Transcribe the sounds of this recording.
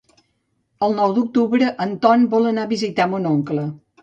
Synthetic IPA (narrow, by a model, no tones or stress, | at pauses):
əlˠnɔwd̪uk̚t̪uβɾəʔənt̪ɔnbɔlˠənaβizit̪amonoŋklə